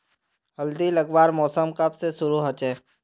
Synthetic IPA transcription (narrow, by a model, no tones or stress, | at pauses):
ɦɐld̪iləɡʋaːɾmɔːsəmkəpsesʊɾuɦət͡ʃɛː